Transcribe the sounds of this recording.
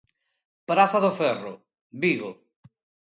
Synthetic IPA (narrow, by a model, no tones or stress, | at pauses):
pɾaθaðofɛrʊ | biɣo